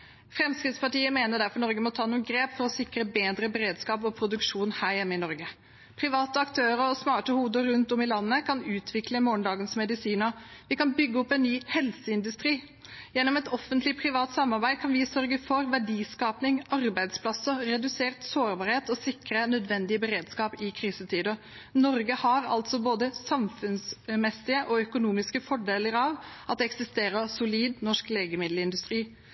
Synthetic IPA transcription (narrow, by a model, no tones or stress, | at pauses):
fɾɛmskɾɪt̪spʰɑʈiːəmeːnəɖ̪æɾfɔɳɔɾɡəmɔt̪ʰɑːnːɔmɡɾeːpfɔɾɔsɪkɾəbeːd̪ɾəbɛɾeːd̪skɑːp̬ɔpʰɾʊd̪ʉkʂuːnhæːɾjɛmːəɪnɔɾɡə | pʰɾɪʋɑːt̪əɑkt̪ʰøːɾəɔsmɑːʈəhuːd̪əɾʉnt̪ɔmɪlɑnːəkʰɑnʉːt̪ʰʋɪkləmoːɳɖ̪ɑːɡənsmɛd̪ɪsiːnəʋɪkɑnbʏɡːəɔpːɛnnːyːhɛlsəɪnd̪ʉst̪ɾiː | jɛnːɔmɛt̪ɔfənt̪lɪpʰɾɪʋɑːt̪sɑmːɑɾbæɪkʰɑnʋɪsœɾɡəfɔɾʋæɖiːskɑːpnɪŋɑɾbæɪd̪spʰlɑsːəɾɛd̪ʉseːɾt̪soːɾbɑːɾheːt̪ɔsɪkɾənœd̪ʋɛnd̪ɪəbəɾeːd̪skɑːpɪkʰɾiːsət̪ʰiːd̪ɔ | nɔɾɡəhɑɾɑ̰lt̪sɔboːd̪əsɑmfʉnsmɛsɪəʔɔœkʊnuːmɪskəfɔɖeːləɾɑʋʔɑt̪̚d̪ɛːɛksɪst̪eːɾəsʊliːd̪nɔʂkleːɡəmɪd̪ləɪnd̪ʉst̪ɾiː